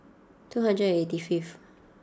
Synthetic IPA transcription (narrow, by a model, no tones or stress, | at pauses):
tʰuɦãndɹəd̃etifif